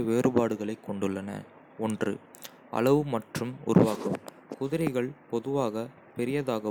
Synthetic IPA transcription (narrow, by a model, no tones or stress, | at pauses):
ʋeːɾɯbaːɽɯɣɐɭɐɪkːɔɳɖɯɭːɐnɐ̰ | ɔndrɯ̰ | ʔɐ̰ɭɐʋɯmɐʈrɯmʊ̰ɾʊ̰ʋaːɣɯm | kʊðɪɾɐɪɣɐɭpɔðɯʋaːɣɐ | pɛɾɪjɐðaːɣɐ